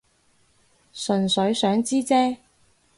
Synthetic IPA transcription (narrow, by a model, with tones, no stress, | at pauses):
sɵ˨˩nsɵ˨˥ɥsœː˨˥ŋt͡siː˥t͡sɛː˥